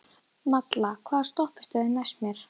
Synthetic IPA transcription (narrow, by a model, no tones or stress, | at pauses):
mat̪lakʰvaːðst̪ɔhpɪ̥st̪ʏðɪnasmjɛɾ̥